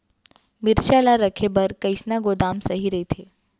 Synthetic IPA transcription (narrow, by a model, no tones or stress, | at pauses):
miɾɕalaɾəkʰebəɾkəjsnaɡod̪amsəɦiɾəjt̪ʰe